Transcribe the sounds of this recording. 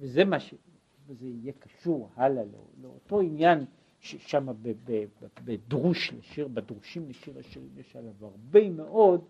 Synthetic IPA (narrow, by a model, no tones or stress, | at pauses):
vezemaʃe | vezeijekaʃuʁhalalḛleo̰to̞injan | ʃeʃamabebebbedʁuʃleʃiʁbedʁuʃimleʃiʁaʃiʁimjeʃalavaʁbemeʔo̞d